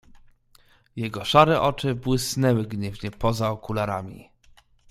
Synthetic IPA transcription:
jɛɡɔʂaɾɛʔɔt͡ʂɘbwɘsnɛwɘɡɲɛvɲɛpɔzaɔkulaɾamʲḭ

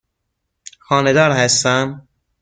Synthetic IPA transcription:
xɒːned̪ɒːɾhæst̪æm

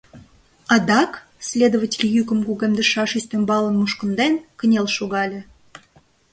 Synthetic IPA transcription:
ɑd̪ɑk | sʲlʲed̪ovətʲelʲjykə̆mɡuɣemd̪əʃɑʃisʲt̪ʲembɑlə̆nmuʃkə̆nd̪enkənʲelʃuɣɑlʲĕ

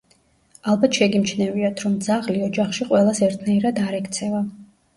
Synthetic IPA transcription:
alˠbat̪ʰʃɛɡimt͡ʃʰnɛviat̪ʰɾɔmd̪zaʁliɔd͡ʒaχʃiqʼwɛlˠasɛɾt̪ʰnaiɾad̪aɾɛkt̪sʰɛva

